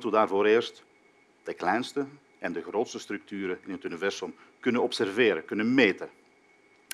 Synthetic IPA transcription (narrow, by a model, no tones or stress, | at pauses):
tudaːrvoːɾɪːrst | d̥əklɛjnstə | ʔɛndəɣroːtstəstrɵk̚tyːɾəɪnɦətynivɛrsɔm | kɵnənɔpsɛrvɪːɾəkɵnənmeːtə